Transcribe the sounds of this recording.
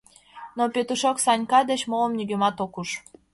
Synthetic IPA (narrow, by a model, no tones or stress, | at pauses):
nopet̪uʃoksɑnʲkɑd̪et͡ɕmoləmnyɡømɑt̪okuʃ